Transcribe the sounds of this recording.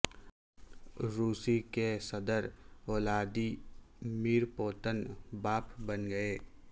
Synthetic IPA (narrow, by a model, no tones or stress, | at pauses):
ɾuːsikesɐd̪əɾɔːlaːd̪iːmiːɾpoːt̪ənbaːpbənɡɐeː